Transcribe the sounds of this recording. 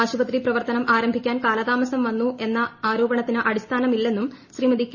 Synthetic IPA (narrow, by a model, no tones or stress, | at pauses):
aːɕubɐt̪riprɐʋɐrt̪ɐnɐmʔaːɾɐmbʱikʲːaːnkaːlɐd̪aːmɐsɐmʋɐnːuʔe̞nːɐaːɾo̞ːbɐɳɐt̪ːinɨʔɐɽist̪ʰaːnɐmilːe̞nːumɕriːmɐd̪ikʲː